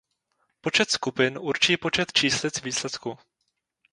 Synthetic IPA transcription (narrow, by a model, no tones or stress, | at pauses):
po̞t͡ʃɛt̪skupɪnʔuɾt͡ʃiːpo̞t͡ʃɛt̪t͡ʃiːslɪt͡sviːslɛt̪ku